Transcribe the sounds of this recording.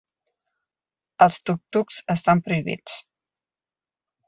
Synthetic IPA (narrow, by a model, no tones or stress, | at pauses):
əlˠst̪uk̚t̪uksəst̪ampɾuiβḭt͡s